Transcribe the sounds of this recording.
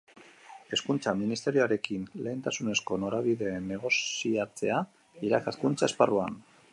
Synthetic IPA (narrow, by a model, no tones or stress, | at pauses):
e̞skunt͡saminist̪e̞ɾioaɾe̞kinle̞ːnt̪asune̞sko̞no̞ɾaβiðe̞ne̞ɣ̞o̞siat͡se̞a | iɾakaskunt͡sae̞sparuan